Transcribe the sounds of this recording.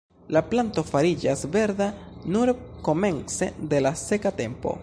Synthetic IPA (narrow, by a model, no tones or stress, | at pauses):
laplanto̞faɾid͡ʒasve̞ɾdanuɾko̞me̞nt͡se̞d̪e̞lase̞kate̞mpo̞̰